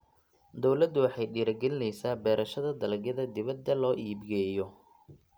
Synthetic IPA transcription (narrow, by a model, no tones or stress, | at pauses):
d̪ɔwlɐd̪ːʊwɑħɑjɖiːɾɐɡɛlɪnɛjsaːbɛːɾɐʃɐðɐd̪ɐlɐɡjɐðɐd̪ɪβɐd̪ːɐlɔːʔiːbɡɛːjɔ